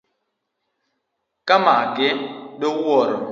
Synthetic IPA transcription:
kamaɡeɗowɔɾ

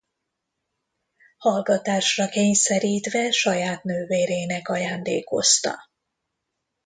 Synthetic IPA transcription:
hɒlɡɒt̪aːʃrɒkeːɲsɛɾiːt̪ʋɛʃɒjaːt̪nøːveːɾeːnɛkɒjaːnd̪ḛːko̞̰st̪ɒ̰

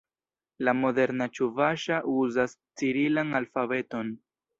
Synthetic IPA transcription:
lamo̞de̞ɾnat͡ʃuvaʃaʔuzas | t͡siɾilanalfabe̞to̞n

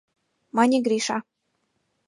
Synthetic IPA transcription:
mɑnʲeɡɾʲiʃɑ

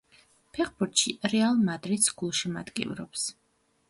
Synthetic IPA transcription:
pʰɛχbuɾt̪ʃiɾɛalˠmad̪ɾit̪sɡ̥ulˠʃima̰d̪kʼḭvɾɔps

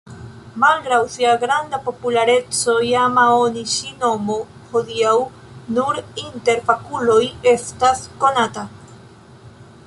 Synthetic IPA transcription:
malɡɾawsiaɡɾand̪apo̞pulaɾe̞t͡sojamaoniʃino̞mo | hoðiaw | nuɾint̪e̞ɾpakuloje̞st̪asko̞nat̪a

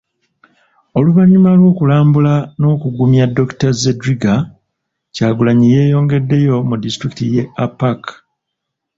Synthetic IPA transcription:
o̞luβaɲːumalwo̞ːkulaːmbulano̞ːkuɡumjadːo̞ktazedɾiɡa | caːɡulaɲije̞ːjo̞ːŋɡe̞dːe̞jo̞mudistɾikitije̞apːak

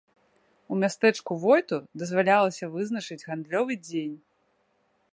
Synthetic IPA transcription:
umʲast̪ɛt͡ʂkuvɔjt̪ud̪ɐzvalʲalˠɐsʲɐvɨznɐt͡ʂɨd͡zʲɣand̪lʲɔvɨd͡zʲenʲ

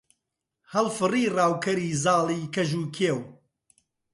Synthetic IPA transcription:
hɐlˠfɨriːraːwkʰɐɾiːzɑːlˠiːkɐʒuːkʰeːw

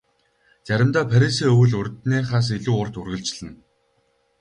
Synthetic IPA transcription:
t͡sæɾʲɪ̆mt̪aːpʰæɾʲis̬iːɵwɵ̆ɮʊrʲt̪neːχaːs̬iɮuːʊrt̪urɣɘ̆ɮt͡ɕɮɘ̆n

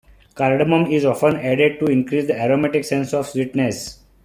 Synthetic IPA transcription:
kaɾɖəmə̃mizɔfə̃nɛɖeɖ̚ʈuɪ̃nkɾiːsd̪əɛɾomɛʈɪksẽnsɔʋswiʈnes

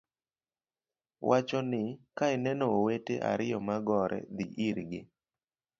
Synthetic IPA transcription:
wʔat͡ʃɔnɪkaɪnɛnɔoweteʔa̰ɾɪjɔmaɡɔɾɛ̰d̪ḭʔiɾɡɪ

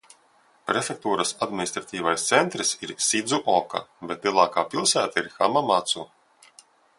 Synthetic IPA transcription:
pɾefʲek̚t̪uːɾasad̪mʲinist̪ɾat̪ʲiːvajst̪sent̪ɾisiɾsʲid̪zuʔɔka̰bet̪lʲˠiɛlˠaːkaːpilˠsæːt̪aiɾxa̰mamat̪su

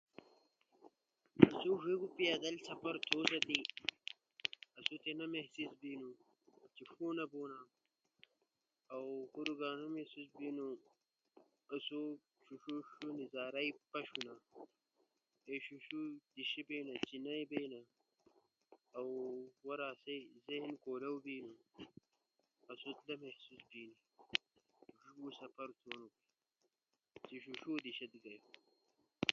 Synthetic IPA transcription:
ɐsuʐiɡupijad̪ɐlsɐpɐɾt̪ʰoːsɐt̪i | ɐsut̪enɐmehsisbiːnu | t͡ɕifoːnɐboːna | ɐwxuɾuɡaːnɐmesisbinu | ɐsu | ɕuɕuɕunizaːɾaipɐɕuna | eɕuʃud̪iɕibeːnɐt͡ɕinɐjbeːnɐ | awwɐɾaːsɐjzeɦnkoːlɐwbiːnu | ɐsut̪lɐmehsusbiːni | ʂuusɐpɐɾt͡s̪ʰoːnuki | t͡siɕuʂuːd̪iɕet̪ɡɐj

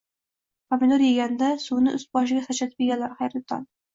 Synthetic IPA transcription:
pʰamɪd̪oɾjeɡʲand̪asunɪʔʊsbɒʃ̬ɪɡʲasat͡ʃat̪ɪ̥pʲjeɡʲanlaɾχajɾɪt̪ʰɒ̰n

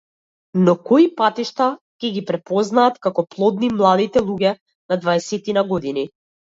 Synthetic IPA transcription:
nɔkɔipat̪iʃt̪a | cʲɛɡʲipɾɛpɔznaːt̪kakɔplˠɔd̪nimlˠad̪it̪ɛlˠuɟɛ | nad̪vaɛsɛt̪inaɡɔd̪ini

